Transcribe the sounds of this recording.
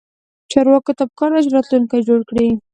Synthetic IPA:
t͡ʃɑɾwɑkot̪apə̥kɑɾd̪aʃɾɑt̪luŋkajd͡ʒoɽkɽi

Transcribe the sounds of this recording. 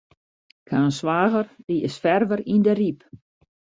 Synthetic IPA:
kʰaːnsʋaːɣərd̥iɪsfɛrvəɾindəɾip

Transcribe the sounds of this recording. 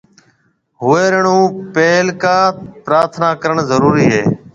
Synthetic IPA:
ɦʊeːɾəɳũːpeːlkaːpɾaːɾt̪ʰnaːkəɾəɳzəɾuːɾiːɦeː

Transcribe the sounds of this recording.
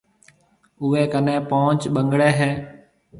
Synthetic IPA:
ʊeːkənẽːpoːt͡ʃɓəŋɡɽeːɦeː

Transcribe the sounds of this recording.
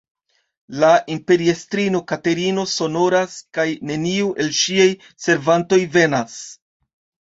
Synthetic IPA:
laʔimpe̞ɾiestɾino̞kate̞ɾino̞so̞no̞ɾaskajne̞niuʔe̞lʃiaj | se̞ɾvanto̞jve̞nas

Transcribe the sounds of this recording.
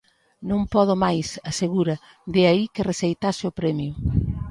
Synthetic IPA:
nõmpɔðʊmajsɐseɣuɾɐ | d̪ɪaikɪresejt̪asɪʊpɾɛmjʊ

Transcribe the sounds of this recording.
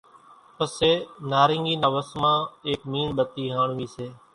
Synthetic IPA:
pəseːnaːɾɪŋɡiːnaːʋəsmãːeːkmiːnɓət̪iːɦaːɳʋiːseː

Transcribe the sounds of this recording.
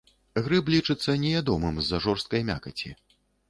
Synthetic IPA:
ɣɾɨblʲit͡ʂɨt̪sːɐnʲɛvʲad̪ɔmɨmzːɐʐɔrst̪̚kɐjmʲa̰kɐt͡sʲḭ

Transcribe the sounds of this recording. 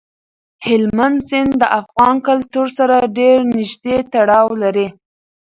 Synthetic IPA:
hɪlmand̪sɪnd̪d̪əʔafɣɑnkalt̪uɾsaɾaɖeɾnɪʒd̪et̪aɽɑwlaɾi

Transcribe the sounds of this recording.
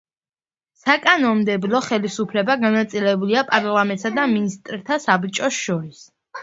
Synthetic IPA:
sakʼanɔnmd̪ɛblɔχɛlisupʰlɛbaɡanat̪sʼilɛbuliapʼaɾlˠamɛ̃nt̪ʼsad̪aminist̪ʼɾt̪ʰasabt͡ʃʼɔsʃɔɾis

